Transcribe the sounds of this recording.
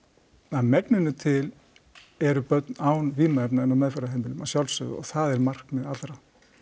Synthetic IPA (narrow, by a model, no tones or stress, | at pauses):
aðmɛknɪnʏt̪ʰɪl | ɛɾʏpœt̪naːwnviːmaɛpnaɛnamɛðfɛɾaɦejmɪlʏmawsjawlsʏ̰ðʏ̰ɔ̰ɣθaðɛɾmar̥kmɪðat̪ɾa